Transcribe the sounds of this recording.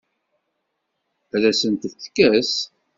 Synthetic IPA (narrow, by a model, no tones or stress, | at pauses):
læsənt̪əθθkːæs